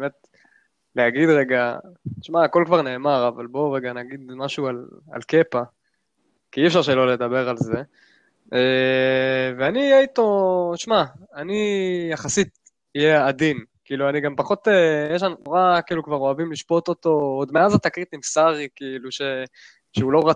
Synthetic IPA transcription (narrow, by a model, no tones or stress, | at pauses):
beme̞t̪ | leaɡid̪ʁeɡaʃmaːko̞lkvaʁne̞ːmaʁavalbo̞ʁeɡanaɡid̪maʃuala̰lke̞pa | kiiːɛfʃaʁʃelo̞le̞d̪abe̞ʁalze̞ | e | veaniːjeit̪o̞ʃmaːnijaχasit̪ | ijead̪inkiiluaniɡampaχo̞t̪ejeʃannoʁakiːlukvaʁo̞avimliʃpo̞t̪o̞t̪o̞od̪meazat̪akʁit̪imsaʁikiːluʃe | ʃeulo̞ʁa